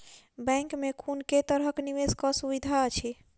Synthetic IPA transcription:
bɛ̃ŋkmekʰunket̪əɾɦəkniʋeskɔsubid̪ʱaət͡ʃʰi

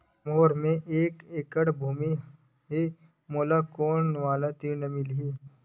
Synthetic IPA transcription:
moːɾmẽʔeːkeːkəɽbʱuːmi | ɦe | moːlakoːnʋaːlat̪inɐmilɦiː

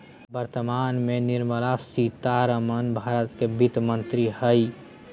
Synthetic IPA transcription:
bəɾt̪əmanmeniɾməlasit̪aɾəmənbʱaɾət̪kebit̪mənt̪ɾihəj

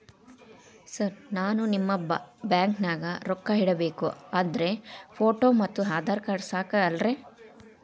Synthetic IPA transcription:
sɐɾnaːnunimːɐbjaːŋknaːɡɐɾɔkːɐɦiɽɐbeːkuaːnd̪ɐɾe̞pʰoːʈoːmɐt̪ːuɦaːd̪ʱaːɾkaːɾsaːkɐɐlɾe

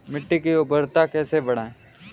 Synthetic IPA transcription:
mɪʈːikiʊbəɾt̪akɛːsebɐɽ̤ãːẽ

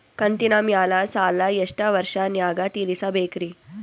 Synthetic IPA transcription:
kɐnt̪inamjaːlasaːlajɐʂʈaʋəɾʂanjaːɡat̪iːlisabʱeːkɾiː

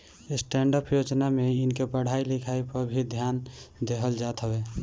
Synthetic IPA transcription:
ɪsʈɛ̃ɳɖəpjod͡ʒnameɪnkepəɽ̤ailɪkʰaipəɾbʱid̪ʱjaːnd̪eɦəld͡ʒat̪ɦəwe

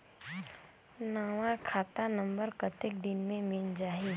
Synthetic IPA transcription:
naːʋãkʰaːt̪anə̃mbəɾkət̪ɪk̚d̪ɪnmẽmɪld͡ʒaːɦi

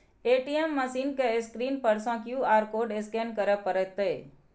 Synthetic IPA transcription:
eːʈiemːəsiːnkeskɾiːnpəɾsãkjuːaːɾkoːɖɪskenkəɾəpəɾət̪e

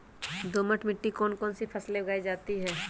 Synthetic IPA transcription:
d̪oːməʈʰmɪʈːikɔːnkɔːnsipʰɐslebɐɡaːid͡ʒaːt̪iɦɛː

